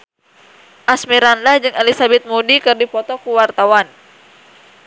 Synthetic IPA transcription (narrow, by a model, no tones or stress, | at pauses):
ʔasmiɾanlahd͡ʒɨŋɛlisabɛt̪̚mudikɨrdipɔt̪ɔkuwart̪awan